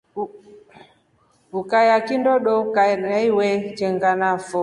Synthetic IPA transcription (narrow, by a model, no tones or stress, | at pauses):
ukajakindɔɗɔkanaiwɛt͡ʃɛŋɡanafɔ